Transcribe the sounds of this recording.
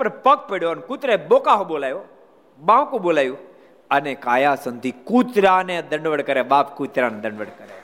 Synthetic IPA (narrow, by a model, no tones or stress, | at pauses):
pɐɾpɐk̚peːɽjoənkut̪ɾeɓoːkaɦoɓoːlaːjo | ɓãːkuɓoːlaːju | ɐnẽkaːjasɐ̃nd̪ʱikuːt̪ɾaːnẽd̪ɐ̃ɳɖʋəɽkɐɾeɓaːpkuːt̪ɾaːned̪ɐ̃ɳɖʋəɽkɐɾe